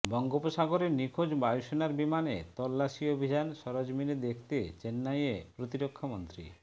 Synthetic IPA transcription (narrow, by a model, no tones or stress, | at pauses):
bɔŋɡopoʃaɡoɾenikʰod͡ʑbajoʃonaɾbimanḛt̪ɔlːaʃiobʱid͡ʑanʃɔɾod͡ʑmined̪ekʰt̪et͡ɕenːajepɾot̪iɾokʰːamont̪ɾḭ